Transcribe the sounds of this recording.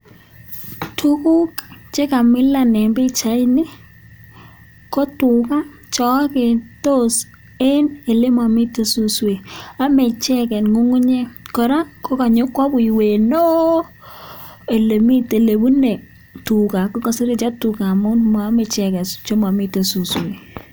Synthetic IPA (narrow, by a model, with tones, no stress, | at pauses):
tʰu˦ku˦kt͡ʃe˦ka˨mɪ˦la˨nɛ˨mbɪ˦t͡ʃa˨˦i˦nɪ˦ | kɔ˦tʊ˨ka˦ | t͡ʃɔ˦ke˨to˦s | e˦ne˨le˦ma˨mɪ˦to˨su˦swe˨a˦me˨t͡ʃɛ˦kɛ˨nŋu˦ŋʊ˦ɲɛ˦kɔ˨ɾa˦ko˦ka˨ɲo˦kwɔ˦bʊ˨i˨we˨no˦ | e˨le˨mi˦te˨le˨bu˦ne˨ | tu˨ka˨kɔ˦ka˨sɪ˦ɾɪ˦t͡ʃa˦tu˨ka˨mʊ˦nma˨a˦me˨t͡ʃɛ˨kɛ˨st͡ʃo˦ma˨mɪ˦te˨su˨swe˨